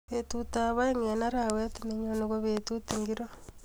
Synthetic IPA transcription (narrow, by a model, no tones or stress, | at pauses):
βetutaβaeŋenaɾawetineɲonoɣoβetuteŋɡiɾo